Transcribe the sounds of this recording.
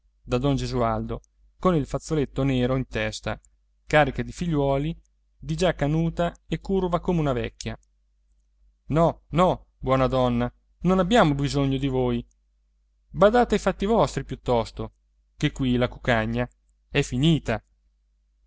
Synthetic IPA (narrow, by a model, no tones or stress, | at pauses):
d̪ad̪ɔnd͡ʒezuald̪o | konilfat̪sːolet̪ːoneːɾoint̪ɛst̪a̰ | kaːɾikad̪ifiʎːwɔːli | d̪id͡ʒakːanuːt̪aekːurvakoːmeunavɛ̰kːja | nɔnɔbwɔːnad̪ɔnːa | nonabjaːmobizoɲːod̪ivoːj | bad̪aːt̪eajfat̪ːivɔst̪ɾipjut̪ːɔst̪o | kekːwilakukaɲːa | ɛfiniːt̪a